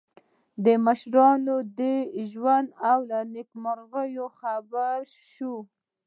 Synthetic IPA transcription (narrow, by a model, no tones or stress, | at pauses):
d̪əmaʃɾɑnod̪əʒwand̪awlanɪkmaɾɣəjoxabaɾ | ʃu